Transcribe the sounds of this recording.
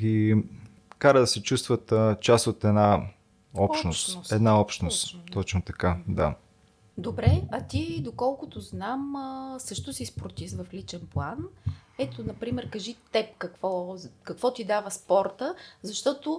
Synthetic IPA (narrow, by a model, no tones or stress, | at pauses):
ɡʲi | kaɾəd̪ɐsɛt͡ʃust̪vət̪t͡ʃasot̪ɛd̪na | ɔʃt̪nost̪sɛd̪naɔpʃt̪nost̪t̪ɔt͡ʃnot̪ɐkad̪a̰ | d̪obɾɛɐt̪id̪okɔlˠkʊt̪ʊznamsɤʃt̪ʊsispɾot̪isvɐflit͡ʃɛnplˠanɛt̪onɐpɾimɛɾkɐʒit̪ɛpkɐkvɔkɐkvɔt̪id̪avəspɔɾt̪əzɐʃt̪ɔt̪o